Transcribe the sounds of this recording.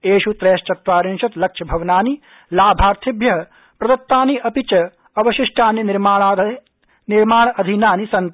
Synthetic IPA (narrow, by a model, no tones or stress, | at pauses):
eːʃut̪ɾeːʃt͡ʃɐt̪ʋaːɾinʃɐt̪lɐkʂʰɐbʱɐʋnaːni | laːbʱaːɾt̪ʰibjɐɦɐ | pɾɐd̪ɐt̪ːaːniʔɐpit͡ʃɐ | ɐbɐʃɪʂʈʰaːnːiniɾmaː | niɾmaːɳ̃ɐʔɐd̪ʱinaːnisɐnt̪